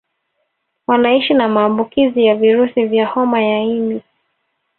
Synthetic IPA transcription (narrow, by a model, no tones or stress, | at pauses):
wanaiʃinamaːmbukizijaviɾusivjahɔmajaimi